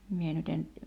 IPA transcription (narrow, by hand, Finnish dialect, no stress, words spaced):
mie nyt en